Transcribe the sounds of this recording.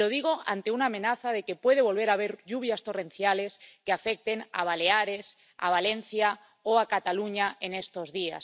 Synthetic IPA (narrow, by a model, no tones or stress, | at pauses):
o̞ðiɣ̞o̞a̰nt̪eunaːmẽ̞naθaðe̞ke̞pwe̞ð̞e̞β̞o̞lβe̞ɾaβ̞e̞ɾʎuβ̞jast̪o̞rẽ̞n̟θjale̞skeafe̞k̚t̪e̞na̰β̞ale̞aɾe̞s | a̰β̞ale̞n̟θja | oakat̪aluɲae̞ne̞st̪o̞zðia̰s